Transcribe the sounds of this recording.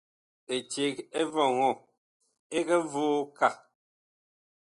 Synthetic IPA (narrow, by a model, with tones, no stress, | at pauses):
e˨t͡ʃe˨ke˦vɔ˨ŋɔ˦˨ | e˦kɛ˦voː˦ka˦˨